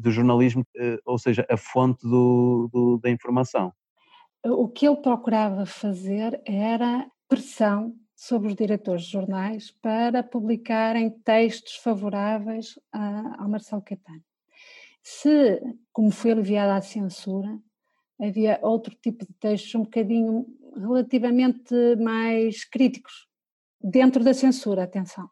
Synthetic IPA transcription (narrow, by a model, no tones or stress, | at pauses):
d̪uʒuɾnɐlˠiʒmuɛoseʒɐʔɐfõnt̪ðuðuðɐĩfuɾmɐsɐ̰̃w̃ | ɛukelˠpɾɔkuɾavɐfɐzeɾɛɾɐpɾɨsɐ̃w̃ | soβɾuʒðiɾɛt̪oɾʒðʒuɾnajʃpɐɾɐpuβlˠikaɾẽj̃t̪ejʃt̪u̥ʃfɐvuɾavejʃɐa̰wmɐɾsɛlˠukɐt̪ɐn | sɨkomufojɐlˠiviaðasẽsuɾɐː | viɐʔowt̪ɾut̪ipuðɨt̪ejʃt̪uzũbukɐðiɲuʁɨlˠɐt̪ivɐmẽnt̪ɨmajʃkɾit̪i̥ku̥ʃ | ðẽnt̪ɾuðɐsẽsuɾɐːt̪ẽsɐ̃w̃